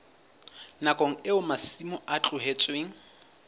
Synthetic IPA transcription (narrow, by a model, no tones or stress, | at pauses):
nakʼoŋ̩ɪʊmasimʊat͡ɬʼʊɦet͡sʼweːŋ̩